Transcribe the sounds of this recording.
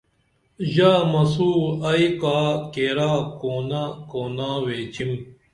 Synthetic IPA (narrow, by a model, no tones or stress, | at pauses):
ʑaːmɐsuːɐikaːkeːɾaːkoːnakoːnaːweːt͡ɕim